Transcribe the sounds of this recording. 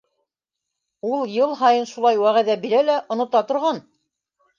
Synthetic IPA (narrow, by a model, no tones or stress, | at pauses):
ulˠjɤlˠɦɑjɤnʃulˠɑjwæʁæðæbiɾælæʔŏnŏt̪ɑt̪ŏɾʁɑn